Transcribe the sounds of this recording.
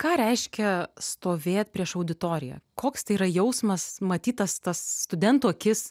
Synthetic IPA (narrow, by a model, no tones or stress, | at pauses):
kɑːɾʲɛɪʃʲkʲɛst̪oːʋʲeːt̪̚ʲpʲɾʲiɛʃɐʊd̪ʲɪt̪oːɾʲɪjɛ̰koːkst̪ɐɪiːɾɐjɛʊsmɐsmɐt̪ʲiːt̪ɐst̪ɐsːt̪ʊd̪ʲɛnt̪uːɐkʲɪs